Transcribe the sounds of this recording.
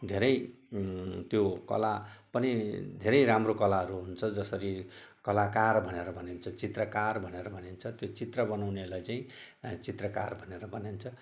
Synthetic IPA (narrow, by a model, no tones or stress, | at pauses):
d̪ʱeɾʌj | t̪jokʌ̰lapʌnid̪ʱeɾʌjɾamrokʌlaɦʌɾuɦunt͡sʰʌd͡zʌsʌɾikʌlakarbʱʌneɾʌbʱʌnent͡sʰʌt͡sit̪rʌkarbʱʌneɾʌbʱʌnent͡sʰʌt̪jot͡sit̪rʌbʌnawnelajt͡saĩ | t͡sit̪rʌka̰rbʱʌneɾʌbʱʌnent͡sʰʌ